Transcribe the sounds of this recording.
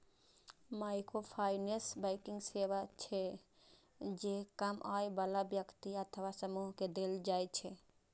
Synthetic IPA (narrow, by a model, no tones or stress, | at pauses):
maɪkɾopʰaːɪnesbaɪkɪ̃ŋɡseʋat͡ʃʰe | d͡ʒekəmʔaebəlabjəkt̪iət̪ʰəʋasəmuɦked̪eld͡ʒaːjt͡ʃʰe